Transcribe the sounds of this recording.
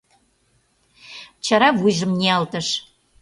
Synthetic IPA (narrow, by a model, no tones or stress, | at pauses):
t͡ɕɑɾɑβujʒə̆mnʲeɑlt̪ə̆ʃ